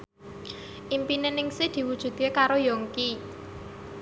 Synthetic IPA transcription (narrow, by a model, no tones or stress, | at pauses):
ʔimpinenɪŋsid̪̥i̤wud̥ʒ̥ṳt̪̚kekaɾojɔŋki